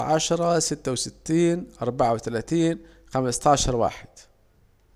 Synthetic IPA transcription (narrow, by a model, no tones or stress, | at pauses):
ʕaʃɾˤɑsɪt̪ːawsɪt̪ːiːnʔɑɾˤbaʕawt̪alaːt̪iːn | xamɪst̪aːʃɑɾˤwa̰ːħɪd̪̥